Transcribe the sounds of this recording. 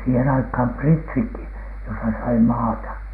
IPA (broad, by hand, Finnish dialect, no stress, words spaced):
siːhen ɑikhɑˑm pritsikːi josɑ sɑi mɑːtɑ